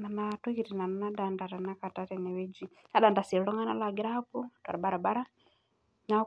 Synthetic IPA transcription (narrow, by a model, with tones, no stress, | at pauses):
na˨na˨tu˦ki˨ɾi˨na˨nana˦da˨nda˨ɾa˨na˦ka˨ta˦tɛ˨nɛ˨βɛ˦d͡ʒi˦ | na˦ɗa˨nda˨si˨ɾɺɔ˦ŋa˦na˦la˨ɡɾa˦pu˦twa̰˨ɾa˨ba˨ɾa˨ba˦ɾa˦ | na˦